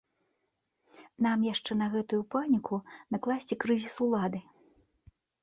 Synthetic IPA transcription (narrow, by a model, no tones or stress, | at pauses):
n̪amjaʂt͡ʂɛnɐɣɛt̪ujupanʲikʰunɐklˠasʲt͡sʲikɾɨzʲisulˠad̪ɨ